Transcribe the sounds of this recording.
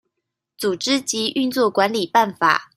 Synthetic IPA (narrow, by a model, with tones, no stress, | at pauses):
t͡su˨˩ʈ͡ʂɻ̩˥t͡ɕi˧˥ʔy˥˧nt͡swɔ˥˩kwa˧˦nli˨˩pa˥˩nfa̰˨˩˦